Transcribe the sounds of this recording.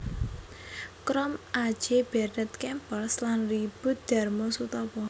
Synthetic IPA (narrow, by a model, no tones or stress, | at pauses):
kɾɔmʔḁd͡ʒ̥eb̥ɛrnət̪kɛmpəlslanrib̥ʊ̤t̪̚d̪̥a̤rmɔsut̪ɔpɔ